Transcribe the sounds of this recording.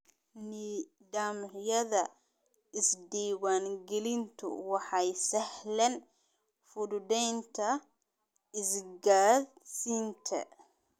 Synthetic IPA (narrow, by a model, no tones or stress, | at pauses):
ni | d̪aːmjɐðɐ | ɪsd̪iːwaːŋɡɛlɪnt̪ʰʊ̰wɑħɑjsɛhlɛn | fʊddɛjnt̪ʰɐ | ɪsɡaːd | siːnt̪ʰɐ̰